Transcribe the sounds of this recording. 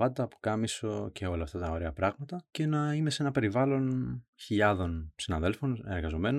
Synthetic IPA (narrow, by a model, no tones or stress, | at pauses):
vɐt̪t̪ɐːpo̥kɐmisoce̞o̞lɐːft̪ɐt̪ɐo̞ɾeɐpɾɐɣmɐt̪ɐce̞nɐime̞se̞nɐpe̞ɾivɐlo̞nçiʎɐðo̞nsinɐðe̞lfo̞ne̞ɾɣɐzo̞me̞no